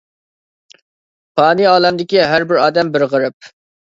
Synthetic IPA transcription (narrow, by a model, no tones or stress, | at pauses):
pʰɑːniɑːlˠɛmd̪ɪkʲiɦæɾbɪɾɑːd̪ɛmbɪɾʁəɾɨp̚